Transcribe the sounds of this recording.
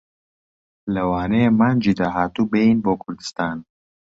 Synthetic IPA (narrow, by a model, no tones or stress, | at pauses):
lɐwɑːnemaːnd͡ʒid̪aɦaːt̪ubeinboːkʰʊɾd̪ɨ̥st̪ɑːn